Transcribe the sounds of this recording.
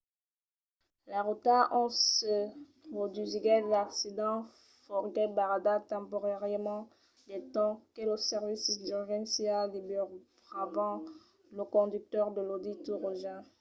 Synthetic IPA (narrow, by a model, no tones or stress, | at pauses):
laʁut̪aʔɔ̃sə | ʁɔd̪yziɡɛlaksid̪ɑ̃ | fɔʁɡɛbaʁad̪at̪ɑ̃poʁɛʁəmɑ̃ | d̪et̪ɔ̃kelosɛʁvisd̪yʁʒɛ̃nsjald̪ibyʁ | ʁavɑ̃ | ləkɔ̃d̪yk̚t̪œʁd̪əlod̪it̪uʁoʒɛ̃